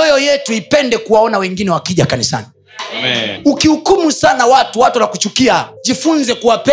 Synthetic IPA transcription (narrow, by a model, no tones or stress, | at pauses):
ɔjɔjɛtuipɛndɛkuwaɔnawɛŋɡinɛwakiʄakanisa̰ni | ukihukumusanawatuwatulakut͡ʃukiaʄifunzɛkuwapɛ